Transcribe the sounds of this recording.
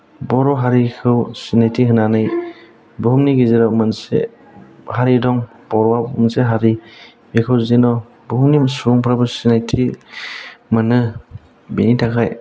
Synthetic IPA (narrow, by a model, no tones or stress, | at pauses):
bɔɾɔɦaɾikʰɯwsinajtʰiɦɯnanɯj | bɔɦumniɡiziɾawmɯnsḛ | haɾidɔŋ | b̥ɔɾɔwamɯnseɦaɾi | bekʰɯwzenɔ | bɔhumnisuɔŋpʰɾabɯsinajtʰi | mɯnɯ | benitʰakʰaj